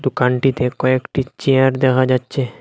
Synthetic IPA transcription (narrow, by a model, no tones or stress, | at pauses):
d̪ukanʈit̪ekɔekʈit͡ɕeaɾd̪ɛkʰad͡ʑatːɕʰe